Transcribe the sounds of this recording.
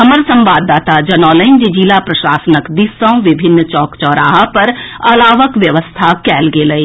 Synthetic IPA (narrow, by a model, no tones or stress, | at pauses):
ɦɐməɾsɐ̃mʋaːd̪ːaːt̪ad͡ʒɐnɔːləɪnd͡ʒid͡ʒilapɾɐʃaːsənəkd̪isãʋɪbʱɪnːt͡ʃɔːkt͡ʃɔːɾaːɦapɐɾɐlaːʋəkʋjɐʋəst̪ʰakɛːlɡeləi